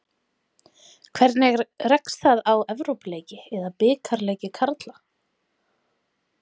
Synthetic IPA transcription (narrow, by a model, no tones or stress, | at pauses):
kʰvɛɾt̪nɪɣrɛksθaðawɛvɾowpleːjcɪɛðapɪːkʰaɾlɛːjcɪkʰaɾt̪la